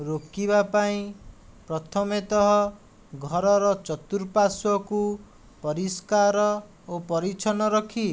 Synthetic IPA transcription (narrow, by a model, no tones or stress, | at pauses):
ɾokibapaĩpɾɔt̪ʰɔmet̪ɔɦɔ | ɡʱɔɾɔɾɔt͡ʃɔt̪uɾpasɔku | pɔɾiskaɾɔ | opɔɾit͡ʃʰɔnɔɾɔkʰi